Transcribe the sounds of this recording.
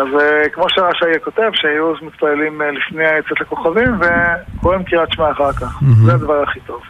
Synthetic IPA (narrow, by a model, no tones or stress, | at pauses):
azkmo̞ʃeʁaʃaijako̞t̪e̞vʃeajuazmit̪palelimlifneaet͡set̪lako̞χavimve̞kʰoʁimkiʁat̪ʃmaːχaʁkaχzead̪avaʁaχit̪o̞v